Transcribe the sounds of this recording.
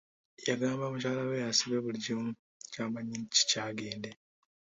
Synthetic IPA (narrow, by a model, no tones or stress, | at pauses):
jaɡaːmbamucaːlawejasiβeβuliɟimu | caːmaɲinci̥caːɡe̞ːnde